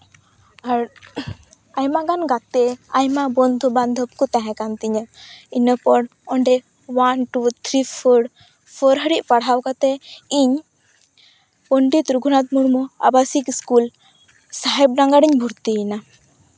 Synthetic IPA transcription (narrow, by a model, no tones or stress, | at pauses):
aɾ | ajmaɡanɡat̪ɛajmabɔnd̪ʱuband̪ʱəp̚kut̪aɦɛ̃kant̪iɲainəpɔɽɔɳɖɛ | wanʈut̪ʰɾipʰəɽ | pʰɔɾɦəɽiʔ̚paɽɦawkat̪ɛiɲ | pəɳɖit̪ɾuɡʱunat̪̚muɽmɔa̰basikskul | saɦɛb̚ɖaŋɡaɽiɲbʱuɾt̪iina